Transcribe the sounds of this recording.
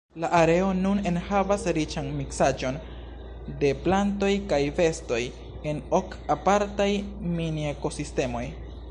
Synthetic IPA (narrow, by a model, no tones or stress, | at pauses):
laʔaɾe̞o̞nune̞nhavasɾit͡ʃanmiksad͡ʒo̞n | de̞planto̞jkajve̞sto̞j | e̞nok | apaɾtajminieko̞siste̞mo̞j